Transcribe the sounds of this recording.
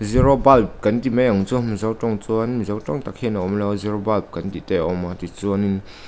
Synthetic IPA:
ziɾɔbalp̚kɐnt̪imɛjaŋt͡sumizawtɔŋt͡suanmzawtɔŋt̪akhɛnaʔɔmlɛwziɾɔbalp̚kɐnt̪it̪ɛɔmat̪it͡suanin

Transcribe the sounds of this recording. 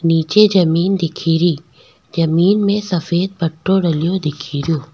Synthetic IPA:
niːt͡ɕed͡ʑɐmiːnd̪ɪkʰiːɾiː | zɐmiːnmẽsɐfeːd̪̚bɐʈʰːoɽɐlijod̪ɪkʰiːɾijoː

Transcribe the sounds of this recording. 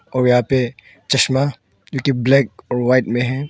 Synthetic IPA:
ɔːɾjɐɦãpe | t͡ʃɐʃma | d͡ʒokiblɛːk̚ɔːɾwaɪʈmẽɦɛ̃

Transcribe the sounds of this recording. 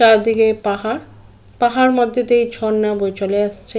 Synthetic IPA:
aɾd̪ikepaɦaɾ | paɦaɾmɔd̪ʱːet̪eejd͡ʑʱɔnːabojt͡ɕoleaʃt͡ɕʰe

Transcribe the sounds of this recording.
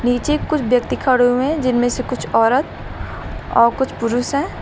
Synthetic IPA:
niːt͡ʃekkːʊt͡ʃʰbjɐk̚t̪ikʰəɽoẽd͡ʒɪnmẽsekʊt͡ʃʰɔːɾət̪ | ɔːɾkʊt͡ʃʰpʊɾʊsɦɛ̃ː

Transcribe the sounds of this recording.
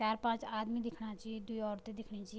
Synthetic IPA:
aːɾpãːt͡ʃaːd̪mid̪ɪkʰnat͡ʃaɦjed̪uiɔːɾt̪ed̪ɪkʰnet͡ʃa

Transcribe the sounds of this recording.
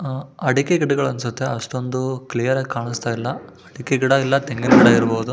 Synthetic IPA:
ɐɽikeɡiɽɐɡɐɭɐnsut̪ːeɐʂʈo̞nd̪uklijɐɾaːɡʲkaːɳist̪aːjilːɐ | ɐɽikeɡiɽɐilːɐt̪eŋɡinɐɡiɽɐiɾboːud̪u

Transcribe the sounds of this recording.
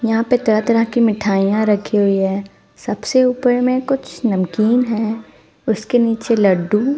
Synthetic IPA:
jɐɦãpet̪ɐɾat̪ɐɾəɦkimɪʈʰaːijãɾɐkʰiɦʊiɦɛː | sɐbseuːpəɾmẽkʊt͡ʃʰnɐmkiːnɦɛː | ʊskeniːt͡ʃelɐɖu

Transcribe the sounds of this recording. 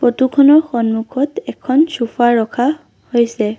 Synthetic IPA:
pɹotukʰɔnɔɹxɔnmukʰɔtɛkʰɔnsufaɹɔkʰa | hojsɛ

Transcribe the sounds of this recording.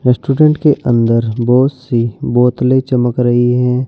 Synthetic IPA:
ɾɛsʈuːɖẽɳʈkeʔə̃nd̪əɾbɔːt̪sibɔːt̪let͡ʃɐməkɾɐɦiɦɛ̃ː

